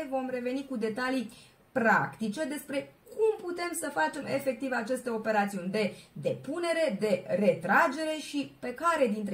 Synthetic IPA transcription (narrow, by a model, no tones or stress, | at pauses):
evo̞mre̞ve̞nikud̪e̞t̪ali | pɾakt̪it͡ʃe̞d̪e̞spɾe̞kʰumput̪e̞msəfat͡ʃe̞me̞̰fe̞k̚t̪ivat͡ʃe̞st̪e̞o̞pe̞ɾat̪siunʲd̪e̞d̪e̞pune̞ɾe̞d̪e̞re̞t̪ɾad͡ʒe̞ɾe̞ʃipe̞kaɾe̞d̪int̪ɾ